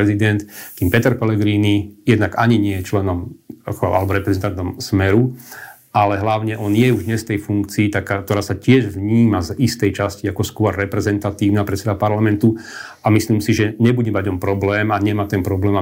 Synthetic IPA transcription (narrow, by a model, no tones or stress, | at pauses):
ɛzid̪ɛnt̪k̪iːmpɛt̪ɛɾpɛlɛɡɾiːnijɛd̪naɡaɲiɲɪɛjɛt͡ʃlɛnɔmkʔa̰lɛbɔɾɛpɾɛzɛnt̪ant̪ɔmsmɛɾu | ʔalɛɦlaʊɲɛʔɔnjɛuʒd̪ɲɛsft̪ɛjfuŋkt͡siːt̪akaːt̪ɔɾaːsacɪɛʒʋɲiːmazist̪ɛjt͡ʃasciakɔskʊɔɾːɛpɾɛzɛnt̪at̪iːʊnapɾɛt̪t͡sːɛd̪apaɾlamɛnt̪u | amisliːmsiʒɛɲɛbuɟɛmaɟɔmpɾɔblɛːmaɲɛmaːt̪ɛmpɾɔblɛːma